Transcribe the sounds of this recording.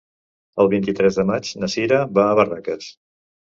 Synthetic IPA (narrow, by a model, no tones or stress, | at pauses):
əlˠβint̪it̪ɾɛzðəmad͡ʒnəsiɾəβaːβərakəs